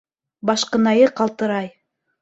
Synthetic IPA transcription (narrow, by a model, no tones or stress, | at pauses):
bɑʃqɤ̆nɑjɤqɑlˠt̪ɤ̆ɾɑj